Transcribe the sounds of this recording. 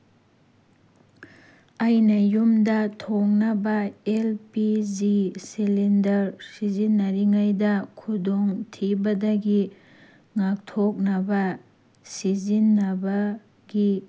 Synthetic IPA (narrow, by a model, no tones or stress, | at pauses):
ɐjnɐjumdɐtʰoŋnɐbɐelpiziselendɐɾsizinːɐɾiŋajdɐkʰudoŋtʰibɐdɐɡi | ŋak̚tʰok̚nɐbɐ | sizinːɐbɐ | ɡi